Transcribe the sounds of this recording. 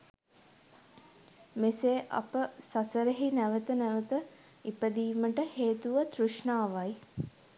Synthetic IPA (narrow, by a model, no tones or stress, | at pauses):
meseːʔɐ̰pəsasəɾeɦinæʋət̪ənæʋət̪ə | ipəd̪iːməʈəheːt̪uʋət̪ɾuʂɳaːʋaj